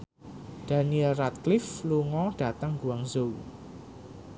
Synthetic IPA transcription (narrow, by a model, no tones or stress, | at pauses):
ɖ̥a̤niɛlrat̪̚klɪfluŋɔɖ̥a̤t̪əŋɡuwaŋzow